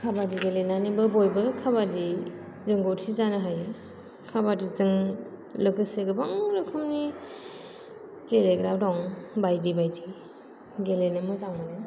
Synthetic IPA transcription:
kʰabadiɡelenanibɯbɔjbɯkʰabadi | zɯŋɡowtʰizanɯɦaj | kʰabadizɯŋ | lɯɡɯseɡɯbaŋlɯkʰɯmni | ɡeleɡɾab̚dɔŋbajdibajdi | ɡelenɯmɯzaŋmanɯ

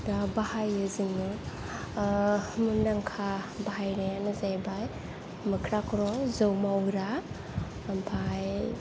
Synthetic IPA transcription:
dabahajɯzinɯ | mundaŋkʰabaɦajɾajanɯzajbaj | mɯkʰɾakʰɾɔzɯwmawɾa | mpʰaj

